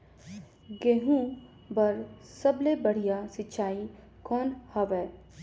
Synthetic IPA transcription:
ɡeːɦũ | bɐɾsɐblebɐɽ̤ijasɪtːʃʰaːi | kɔːnhɐʋɛː

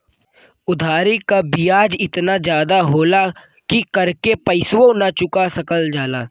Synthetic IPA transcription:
ʊd̪ʱaːɾikabijaːd͡ʒɪt̪nad͡ʒjaːd̪aɦoːla | kikɐɾkepəɪswõnat͡ʃʊkasɐkəld͡ʒaːlaː

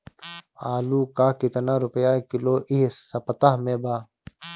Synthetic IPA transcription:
aːluːkaːkit̪ɐnaːɾʊpjaːkiloːʔiɦsɐpɐt̪aɦmẽːbaː

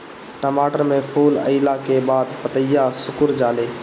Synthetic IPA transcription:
ʈəmaːʈəɾmẽpʰuːlə̰ɪlakebaːd̪pət̪əjːasʊkʊɾd͡ʒaːleː

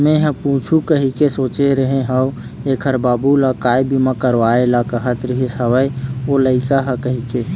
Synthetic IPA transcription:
mẽɦɐ̃pũːt͡ʃʰukəɦikesoːt͡ʃeɾəɦẽɦaw | eːkʰəɾbaːbulakaːjbʱimɐ̃kəɾʋaːelakɐɦət̪ɾɪɦisɐwəjoləɪkaɦɐkɐɦike

